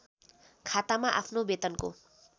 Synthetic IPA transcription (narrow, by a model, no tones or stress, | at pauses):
kʰat̪amaʔa̰pʰnobet̪ʌnko̰